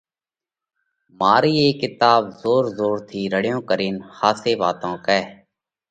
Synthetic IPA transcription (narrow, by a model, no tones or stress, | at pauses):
maːɾiːeːkɪt̪aːbzoːɾzoːɾt̪ʰiːɾəɽɪjõːkəɾiːnhaːseːʋaːt̪õːkɛː